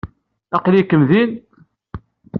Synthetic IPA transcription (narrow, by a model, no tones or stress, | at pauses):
æqlikːəmðin